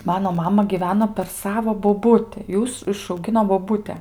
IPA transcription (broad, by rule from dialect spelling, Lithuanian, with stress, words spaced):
ˈmɑːnoː ˈmɑːmɐ ɡʲiːˈʋʲæːnoː pʲɛr ˈsɑːʋoː boːˈbʊtʲɪ ˈjuːs ɪʃɐʊˈɡʲɪnoː boːˈbʊtʲɛ